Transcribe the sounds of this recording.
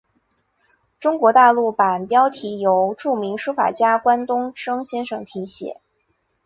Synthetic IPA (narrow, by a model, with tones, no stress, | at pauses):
ʈ͡ʂʊ˥ŋkwɔ˧˥t̪a˥˧lu˥˩pa˨˩npjɑ˥ʊt̪ʰi˧˥jo˧˥ʊʈ͡ʂu˥˩mi˧˥ŋʂu˥fa̰˨˩t͡ɕja˥kwa˥nt̪ʊ˥ŋʂɤ˥ŋɕjɛ˥nʂɤ˨˩ŋt̪ʰi˧˥ɕjɛ̰˨˩˦